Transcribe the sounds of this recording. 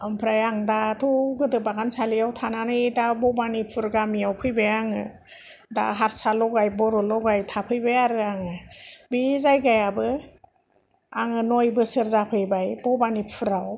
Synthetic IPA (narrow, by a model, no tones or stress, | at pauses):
ampʰɾajaŋdatʰuɡɯdɯbaɡansalijawtʰananɯidabɔbanipʰɯɾɡamijawpʰɯjbajaŋɯ | da̰ɦaɾsalɔɡajbɔɾɔlɔɡajtʰapʰɯjbajaɾɯaŋɯbizajɡajabɯ | aŋɯnɔjbɯsɯɾzapʰɯjbajbɔbanipʰɯɾaw